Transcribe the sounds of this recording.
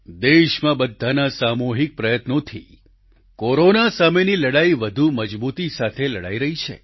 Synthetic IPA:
d̪eʃmãbəd̪ʱːanasamoɦik̚pɾəjət̪not̪ʰi | koɾonasameniləɽaiʋəd̪ʱuməd͡ʒbut̪isat̪ʰeləɽa̰iɾəɦit͡ʃʰḛ

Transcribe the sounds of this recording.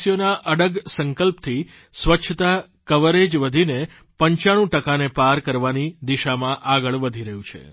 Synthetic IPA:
sijonaʔəɽəɡsəŋkəlpt̪ʰi | sʋəʃʰət̪a | kəʋəɾed͡ʒʋəd̪ʱine | pəɲt͡ʃaɽ̃ũʈəkanepaɾkəɾʋanid̪iʃamãʔaɡəɭʋəd̪ʱiɾəɦjũt͡ʃʰḛ

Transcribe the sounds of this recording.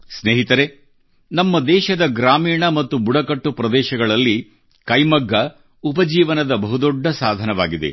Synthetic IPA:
sneːɦit̪ɐɾe | nɐmːɐd̪ɛːʃɐd̪ɐɡɾaːmiːɳɐmɐt̪ːubuɽɐkɐʈːupɾɐd̪ɛːʃɐɡɐɭɐlːi | kɐjmɐɡːɐ | upɐd͡ʒiːʋɐnɐd̪ɐbɐɦud̪ɔɖʱːɐsaːd̪ʱɐnɐʋaːɡid̪e̞̰

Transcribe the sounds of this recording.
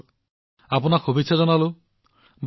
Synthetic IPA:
apunaxʰubisʰazɔnalu | b

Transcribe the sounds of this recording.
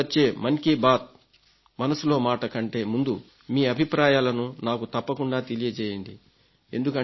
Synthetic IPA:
ɐt͡ʃːe̞ːmɐnkibaːt̪̚ | mɐnɐsulo̞ːmaːʈɐkɐɳʈe̞ːmund̪u | miːɐbʱipɾaːjaːlɐnunaːkut̪ɐpːɐkuɳɖaːt̪e̞lijɐt͡ʃɛːjɐɳɖi | e̞nd̪ukɐ

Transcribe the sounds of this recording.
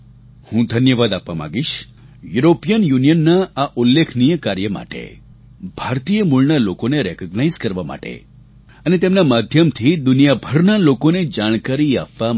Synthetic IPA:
hũd̪ʱənjəʋad̪apʋamã̰ɡiʃ | juɾopijənjunijənːaaʔulːekʰnijəkaɾjəma̰ʈḛ | bʱaɾt̪ijəmuɭnalokoneɾekəɡnaizkəɾʋama̰ʈḛ | ənet̪emnamad̪ʱjəmt̪ʰid̪unijabʱəɾnalokoned͡ʒaɽ̃kaɾiapʋam

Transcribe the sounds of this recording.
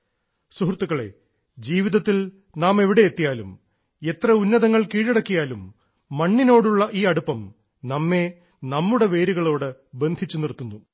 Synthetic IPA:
suɦrt̪ːuɣɐɭe̞̰ | d͡ʑiːʋiðɐt̪ːil | naːme̞ʋiɽe̞et̪ːijaːlum | e̞t̪rɐunːɐðɐŋːɐɭkiːɻeɽɐkːijaːlumː | ɐɳːino̞ːɽuɭːɐʔiːɐɽupːɐm | nɐmːe̞ | nɐmːuɽe̞ʋe̞ːɾiɣɐɭo̞ːɽɨbe̞nd̪ʱit͡ɕːunirt̪ːunːu

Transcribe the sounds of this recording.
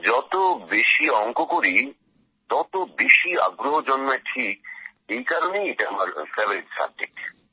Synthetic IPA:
d͡ʑɔt̪obeʃiɔŋkokoɾi | t̪ɔt̪obeʃia̰ɡɾoɦod͡ʑonːaʈʰik̚ | ejkaɾonejeʈaa̰maɾpɾeboɾiʈsa̰b̚d͡ʑḛk̚ʈ

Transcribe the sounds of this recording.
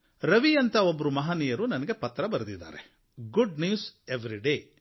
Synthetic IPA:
ɾɐʋiɐnt̪ɐobːɐɾumɐɦaːniːjɐɾunɐnɐɡe̞pɐt̪ːɾɐbɐɾɐd̪id̪ːa̰ːɾe | ɡuɖnjuːseʋɾiɖeː

